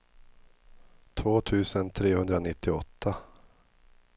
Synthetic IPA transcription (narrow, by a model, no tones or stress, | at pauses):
t̪ʰvoːt̪ʰʉ̟ːsənt̪ʰɾeːhɵnd̪ɾanɪt̪ːɪɔt̪ʰːa